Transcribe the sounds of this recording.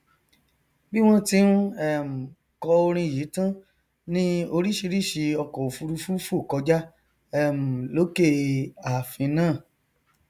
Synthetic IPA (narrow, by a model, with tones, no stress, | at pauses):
bi˦w̃ɔ̃˦ti˧˦ɾ̃ũ˦ɛ˦˨m̩˨ | kɔ˧o˧ɾ̃ĩ˧˨ji˨˦tã˦ | nĩ˦o˧ɾi˦ʃi˧ɾi˦˨ʃe˧ɔ˧kɔ˨o˨fu˧ɾu˧fu˦fu˦˨kɔ˧d͡ʒa˦ | ɛ˦˨m̩˨lo˨˦ke˦˨a˨fĩ˧nãː˦˨